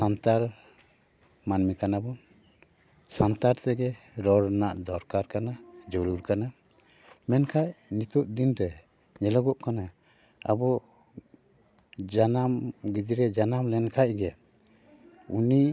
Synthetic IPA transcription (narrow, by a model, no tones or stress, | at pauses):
sant̪aɾ | manmikanabɔn | sant̪aɾt̪ɛɡɛ | ɾɔɾnaʔd̪ɔɾkaɾkanad͡ʒɔɾuɾkana | mɛnkʰaʔnit̪uʔd̪inɾɛ | ɲɛlɔɡɔʔkana | a̰bɔ | d͡ʒanamɡid̪iɾɛd͡ʒanamlɛnkʰaʔɡɛ | uni